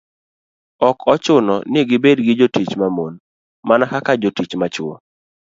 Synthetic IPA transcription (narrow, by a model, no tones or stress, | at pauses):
ɔkɔt͡ʃʊnɔ̰nɪɡɪbedɡɪd͡ʒotit͡ʃmamon | manahakad͡ʒotit͡ʃmat͡ʃʊo̰